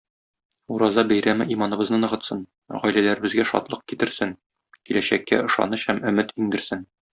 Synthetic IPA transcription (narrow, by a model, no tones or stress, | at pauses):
uɾɑzɑbæjɾæmɘʔimɑnɤ̆bɤ̆znɤnɤ̆ʁɤ̆t̪sɤn | ʁɒjlælæɾɘ̆bɘ̆zɡæʃɒ̰t̪lˠɤq̚kit̪ɘ̆ɾsɘŋ | kilæɕækːæ̰ɤ̆ʃɑ̰nɤɕhæmɵ̆mɘt̪iŋd̪ɘ̆ɾsɘn